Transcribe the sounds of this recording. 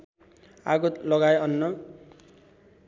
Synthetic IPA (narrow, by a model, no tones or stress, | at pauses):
aɡot̪lʌɡajʌnːʌ